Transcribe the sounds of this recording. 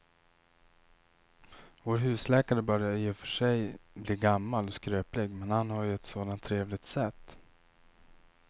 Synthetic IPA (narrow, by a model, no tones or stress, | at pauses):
voːɾɦʉ̟ːslɛːkaɾəbœɾjajefœʂɛjbliːɡamːalɔskɾøːplɪɡmɛnhanhaɾjɵɛt̪soːd̪ant̪ʰːɾeːvlɪɡ̚t̪sɛt̪ː